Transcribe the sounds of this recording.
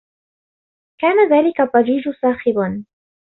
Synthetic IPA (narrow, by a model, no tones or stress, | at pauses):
kaːnaðaːlɪkat̪ˤːɑd͡ʒiːd͡ʒʊsaːxɪban